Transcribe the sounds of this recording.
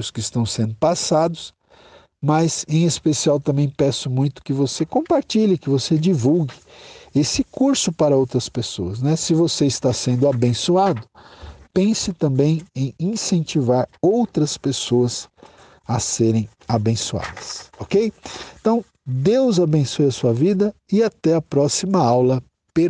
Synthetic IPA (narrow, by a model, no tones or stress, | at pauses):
ʊskɪst̪ɐ̃w̃sẽnd̪ʊpasad̪ʊs | mɐzẽj̃espesiawt̪ɐ̃mbẽj̃pɛsʊmũj̃t̪ʊ̥kɪvosekõpaɾt͡ʃiʎɪkɪvosed͡ʒivuwɡɪesɪkuɾsʊpaɾɐowt̪ɾɐspesoɐsnɛsɪvoseɪst̪asẽnd̪ʊabẽsuad̪ʊpẽsɪt̪ɐ̃bẽj̃ẽj̃ĩsẽnt͡ʃivaɾowt̪ɾɐspesoɐs | ɐseɾẽj̃ | abẽsua̰d̪ɐsɔkej̃t̪ɐ̃w̃ | d̪ewzabẽsojɐsuɐvid̪ɐ | ɪat̪ɛɐpɾɔsimɐawlɐ | pe